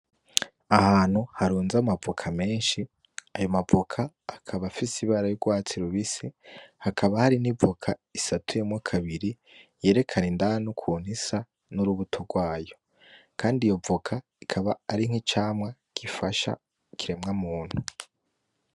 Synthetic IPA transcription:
ahaːn̥huhaɾuːnzamavokʰame̞ːnʃi | ajo̞mavokʰaː | kʰaβafisiβaːɾajoɡwaːt͡siɾuβisihakʰaβahaɾinivokʰaisatʰujomŋakʰaβiɾi | je̞ːɾe̞kʰanindanukʰuːn̥isa | nuɾuβutʰoɡwaːjo̞ | kʰaːndijo̞vokʰa | ikʰaβaːɾiŋ̥hit͡ʃaːmŋa | kifaʃa̰ | kiɾe̞mŋamuːnhu

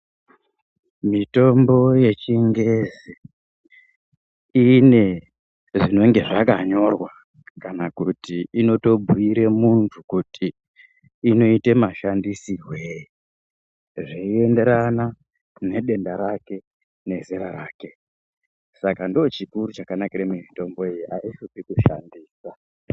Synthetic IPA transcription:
mito̞mbo̞je̞t͡ʃiŋɡezi | ine̞ | ʐino̞ŋɡe̞ʐakaɲo̞rwa | kanakutiino̞to̞bʱuiɾe̞muntʰukutiː | no̞ite̞maʃandisiɦwei | ʐeie̞nde̞ɾana | ne̞ɗe̞ndaɾake̞ | ne̞ziɾaɾaːke̞ | sakandot͡ʃikuɾut͡ʃakanakiɾemimito̞mbo̞ijiʔa̰iʃupikuʃa̰ndiːsa

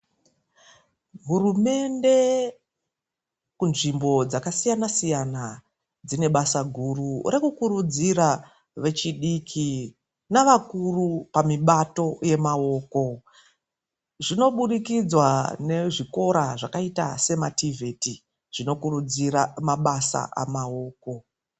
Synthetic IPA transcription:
ɦuɾume̞nde̞ | kunʐimbo̞d͡zakasijanasijana | d͡zine̞ɓasaɡʱurure̞kukuɾud͡ziɾa | ʋe̞t͡ʃiɗikʰi | naʋakurupamiɓato̞je̞mao̞ːko̞ | ʐino̞ɓuɗikid͡zwane̞ʐiko̞ɾaʐakaita̰se̞mativʱe̞ti | ʐ̥ino̞kuɾud͡ziɾamaɓasa̰ʔa̰mao̞ːko̞

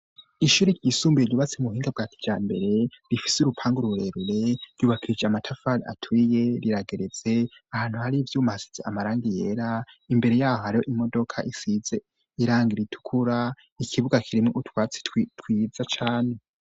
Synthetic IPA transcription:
iʃuːɾeɾɟisuːmbujeɾjuːβat͡semuhiːŋɡab̚ɡaːtʰi̥d͡ʒaːmbe̞ɾe̞ɾifi̥suɾupʰaːŋɡuɾuɾe̞ɾuɾe̞ɾ̥juːβakiɾid͡ʒeamatʰafaɾia̰tʰwiːjeɾiɾaɡe̞ɾe̞z̥e̞ahaːn̥huhaɾivjuːmahasi̥z̥ḛʔamaɾaːŋɡijeɾaimbe̞ɾe̞jaːhohaɾihoʔimo̞do̞kʰa̰ʔisize̞ | iɾaːŋɡiɾitʰu̥kʰuɾa | ikʰiβuɡakʰiɾimŋoʔutwaːt͡si̥twtʰwizat͡ʃaːne̞

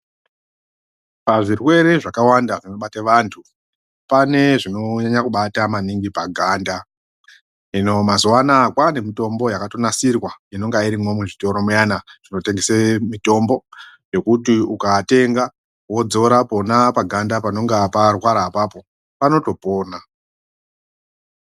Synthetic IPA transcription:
paʐirwe̞ɾe̞ʐakawandaʐino̞ɓataʋantʰu | pane̞ʐino̞ɲaɲakuɓatamaniŋɡipaɡʱaːnda | ino̞mazuwanakwane̞mito̞mbo̞jakato̞nasirwaino̞ŋɡaiɾimwo̞muʐito̞ɾo̞mujanaʐ̥ino̞te̞ŋɡesemito̞mbo̞ | jo̞kutiukate̞ŋɡa | wo̞d͡zo̞ɾaponapaɡʱandapano̞ŋɡaparwaɾaːpapo̞ | pano̞to̞po̞ːna

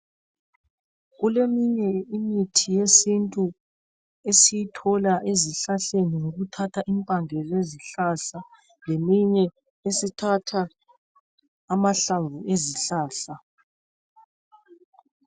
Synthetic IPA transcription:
ɣulemiɲɛimitʰijesintʼu | esijitʰɔlaʔeziɬaɬeniŋoɣutʰatʰaʔimpʼaŋʱɛleziɬaɬa | lemiɲɛ | esitʰatʰa | maɬavuʔeziɬaːɬa

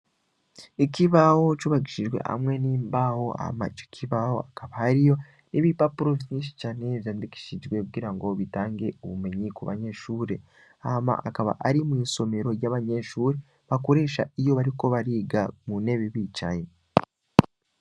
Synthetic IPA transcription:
ikiβaho̞t͡ʃuβaɡiʃiʒwe̞̰ha̰mŋe̞niːmbaho̞a̰ma̰t͡ʃi̥kʰiβaho̞̰akaβahaɾijo̞ | niβipapuɾofiniʃi̥t͡ʃaːneβjaːndiki̥ʃid͡ʒɡwe̞kuɡiːɾaŋɡo̞βitaːŋɡe̞oβume̞ɲikuβa̰ɲe̞ʃuːɾe̞ | ama̰ʔakaβa̰ʔaɾimwiːso̞me̞ɾo̞ɾjaːβaɲe̞ʃuːɾe | βakoɾe̞ːʃa̰ijo̞βaɾiko̞βaɾiːɡamune̞βiβit͡ʃaɲe

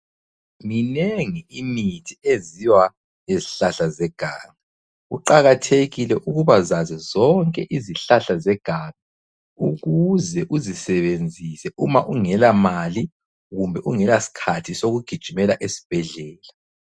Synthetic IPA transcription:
mineŋiimitʰieziwa | neziɬaɬazɛɡ̥ʱaːŋa | ɣṵǃaɣatʰeɣilɛʔuɣuβazazɛzɔŋkʼɛʔiziɬaɬazɛɡ̥ʱaːβɛ | uɣuzɛʔuzisɛβend͡zʱisɛʔumaʔuŋɛlamali | ɣumbʱɛʔuŋɛlasi̥kʰatʰisoɣuɡ̥ʱid̥ʒ̥ʱimɛlaʔesi̥b̥ʱɛɮɛːla

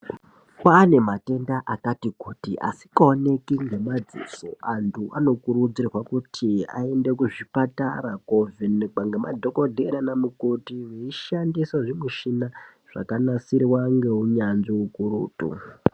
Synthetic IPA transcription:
kaːne̞mate̞ndaʔakatikutḭʔa̰si̥kaone̞kiŋɡe̞mad͡zḭso̞̰ʔantʰuʔano̞kuɾud͡zirwakutʰia̰e̞nde̞kuʐipataɾakovinɡ͡baŋɡemadʱo̞ko̞dʱeɾanamukotiweiʃandisaʐimweʃina | ʐ̥a̰kanasiɾiwaŋɡe̞uɲanʐiukuɾuːtṵ

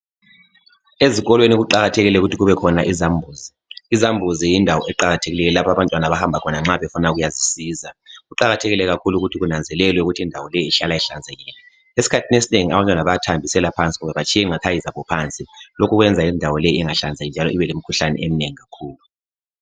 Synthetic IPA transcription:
eziɣɔlweniɣuǃaɣatʰɛɣilɛuɣutʰiɣuβɛkʰɔnaʔizambʱuːzi | izambʱuzijindʱawɔʔɛǃaɣatʰeɣilɛjlapʰaβantʼwanaβahambʱakʰɔnaŋ͡ǁaβɛfunaɣujazisiːzaɣuǃaɣatʰɛɣilɛɣakʰuluɣutʰiɣunand͡zʱɛlɛlwɛuɣutʰiindʱawɔlejiːɬalaiɬand͡zʱajiːna | esi̥kʰatʰinesineŋia̰βantʼwanaβajatʰambʱisɛlapʰant͡sʼiɣumɛβat͡ʃʰʼiɛiŋakʰajizaβɔpʰant͡sʼilokʰuɣwɛnd͡zʱaindʱawɔlɛjiʔiŋaɬand͡zʱajnd͡ʒʱalɔiβɛlem̩kʰuɬanɛ̰ʔem̩neŋiɣakʰuːlu

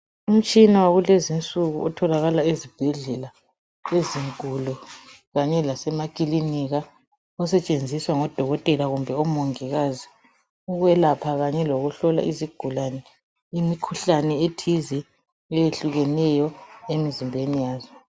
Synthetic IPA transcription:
um̩t͡ʃʼinawaɣulezint͡sʼuɣuɔtʰɔlaɣalaizib̥ʱɛɮɛla | eziŋkʼulɔ | ɣaɲɛlasɛmakʼiliniɣa | ɔsɛt͡ʃʼend͡zʱiswaŋɔd̥ʱɔɣɔtʼɛlaɣumbʱɛɔmɔŋiɣazi | uɣwɛlapʰaɣaɲɛloɣuɬɔla̰ʔiziɡ̥ʱulanɛ | imikʰuɬanɛetʰizi | ɛjeɬuɣɛnɛjɔemizimbʱenijaːzɔ

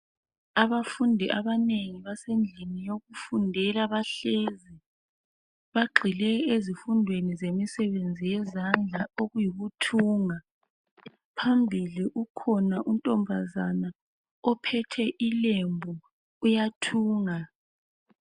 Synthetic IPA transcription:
aβafundʱiʔaβaneŋiβasend͡ɮʱinijoɣufundʱɛlaβaɬeːzi | βaɡ͡ǃʱilɛezifundʱwenizemisɛβend͡zʱijɛzand͡ɮʱaoɣujiɣutʰuːŋa | pʰambʱiliʔukʰɔnaʔuntʼɔmbʱazana | ɔpʰɛtʰɛʔilembʱuː | jatʰuːŋa

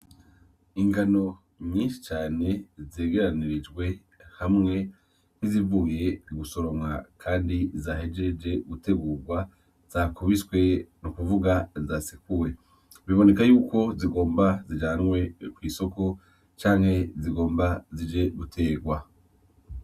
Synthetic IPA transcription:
iŋɡano̞ | ɲiːnʃi̥t͡ʃaːne̞ze̞ːɡe̞ɾaniɾid͡ʒɡwe̞ | hamŋe̞ | nizivuje̞ɡuso̞ɾo̞mwakʰaːndizaɦe̞d͡ʒe̞d͡ʒe̞ɡute̞ɡuːɡwa | z̥akʰuβiswe̞nukuvuɡazasikuɾe | βiβo̞ne̞kajuːko̞ziɡo̞ːmbazid͡ʒaːnŋwe̞kwiːso̞ko̞ | t͡ʃaːŋhe̞ziɡo̞ːmbazid͡ʒe̞ɡutʰe̞ːɡwa

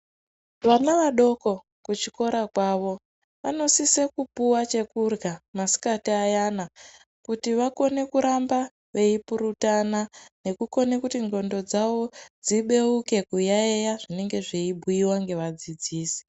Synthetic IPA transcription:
ʋanaʋaɗo̞ko̞ | kut͡ʃiko̞ɾakwaːʋo̞ | ʋano̞sisekupuwat͡ʃe̞kurɡamasi̥katiajana | kutiʋako̞ne̞kuɾamba | ʋe̞ipuɾutanane̞kuko̞nekutiŋɡo̞ndo̞d͡zaʋo̞d͡ziɓe̞uke̞kujaejaʐine̞ŋɡe̞ʐeibʱuiwaŋɡe̞ʋad͡zid͡ziːsi̥

